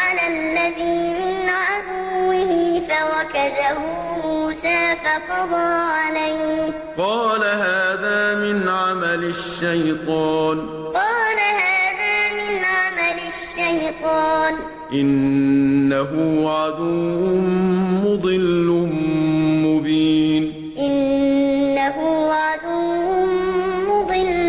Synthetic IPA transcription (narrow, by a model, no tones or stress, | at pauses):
ʕalalːaðiːmɪnʕad̪ʊwwːɪhɪfawakad̪ahʊmuːsaːfafɑd̪ˤɑːʕalajh | qɑːlaɦaːðaːmɪnʕamalaʃːajt̪ˤɑːn | qɑːlahaːðaːmɪnʕamalaʃːajt̪ˤɑːn | ʔɪnː | aɦʊʕad̪uʊʊmʊd̪ˤɨlːʊ | mʊbiːn | ʔɪnː | aɦʊʕad̪ʊʊmʊd̪ˤɨlː